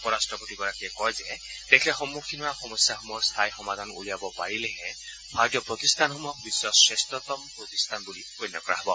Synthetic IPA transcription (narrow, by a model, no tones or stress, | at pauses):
ɔpɔɾasʈɾɔpɔtiɡɔɾakiɛkɔjd͡ʒe | d̪̥ekʰilexɔmːukʰinuaxɔmɔsjaɦɔmɔkst̪ʰajxɔmad̪ʱanṵlijabɔpaɹileɦẽ | bʱaɾt̪jɔpɾɔt̪ist̪ʰanɦɔmɔk̚biswɔsɹest̪ɔt̪ɔmpɾɔt̪ist̪ʰanbulipojnːɔkɔɾa̰ɦbɔ